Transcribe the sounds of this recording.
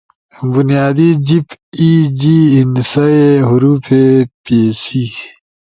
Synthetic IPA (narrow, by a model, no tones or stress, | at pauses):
bunjaːd̪id͡ʑipiːd͡ʑiːinsɐeɦʊɾuːpʰepeːsi